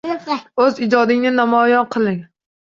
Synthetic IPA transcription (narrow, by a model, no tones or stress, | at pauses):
ɵzɪd͡ʒɒd̪ɪŋnɪnamɒjɒnqʰɨlˠɪŋ